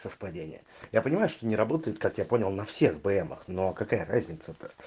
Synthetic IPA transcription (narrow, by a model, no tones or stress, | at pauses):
səfpɐdʲenʲɪ̰jə̰japənʲɪmajʊʂt̪o̞nʲɪɾɐbo̞t̪əjɪt̪kakjapo̞nʲɪlˠnɐfsʲe̞ɣbɨɛmə̰xnokɐkajəɾazʲnʲɪt̪səɛt̪ə̥